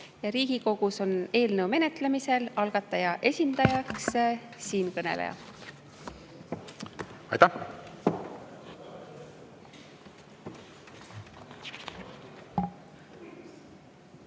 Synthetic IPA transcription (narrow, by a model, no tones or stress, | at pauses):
jɑɾiːɡ̥iko̞ɡ̥uso̞ne̞ːlnəwme̞ne̞t̪ˑlemise̞lɑlɡ̥ɑt̪ːˑɑjɑʔe̞sʲind̪̥ɑjɑks | siːnkɤne̞̰lḛjɑ̰ | ɑ̰jt̪æh